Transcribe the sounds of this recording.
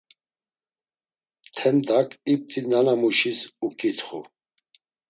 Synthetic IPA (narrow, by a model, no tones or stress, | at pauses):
t̪ʰɛnd̪akʰip̚t̪ʰʼinanamuʃisukʼit̪ʰχu